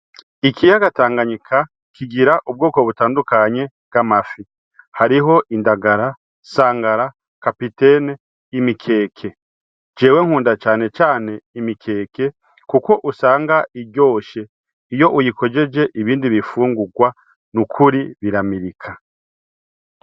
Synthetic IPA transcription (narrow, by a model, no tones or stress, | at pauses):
ikʰijaɡataːŋɡaɲikʰa | kiɡiɾaʔub̚ɡoːko̞βutaːndukaɲe̞ | ɡ̥amafi | haɾiɦo̞ʔindaɡaɾa | saːŋɡaɾa | kapite̞ne | imikʰe̞ːkʰe̞ | d͡ʒeːwe̞ŋ̥huːndat͡ʃaːne̞t͡ʃaːne̞imikʰe̞ːke̞ | kuko̞ʔusaːŋɡaʔiɟo̞ːʃe̞ | ijo̞ʔujikʰo̞d͡ʒe̞d͡ʒe̞ʔiβiːndiβifuːŋɡuɡwa | nukʰuɾiβiɾamiɾikʰa